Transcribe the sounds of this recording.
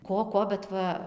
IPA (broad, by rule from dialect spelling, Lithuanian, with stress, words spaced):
ˈkoː ˈkoː bʲɛt ˈʋɐ